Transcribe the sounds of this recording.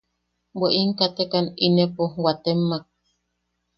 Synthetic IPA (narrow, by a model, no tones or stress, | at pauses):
bʷeʔiŋkat̪ekaninepowat̪emːak̚